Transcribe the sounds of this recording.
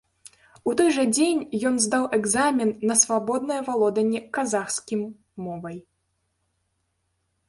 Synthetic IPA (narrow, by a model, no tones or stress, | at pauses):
ut̪ɔjʐɐd͡zʲenʲjɔnzd̪awɛɡzamʲɛnːɐsvabɔd̪̚nɐjɐvalˠɔd̪ɐnʲɛkazaxskʲimː | ɔvɐj